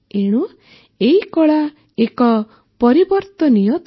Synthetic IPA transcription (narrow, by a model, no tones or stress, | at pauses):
eɽ̃u | eikɔɭa | ekɔ | pɔɾibɔɾt̪ɔnijɔ